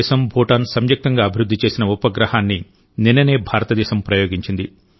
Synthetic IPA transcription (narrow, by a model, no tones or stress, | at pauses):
ɛːʃɐmbʱɔːʈaːnsɐmjɐk̚t̪ɐŋɡaːɐbʱiɾud̪ːit͡ʃe̞ːsinɐupɐɡɾɐhaːnːi | ninːɐne̞ːbʱaːɾɐt̪ɐd̪ɛːʃɐmpɾɐjo̞ːɡiɲt͡ʃind̪i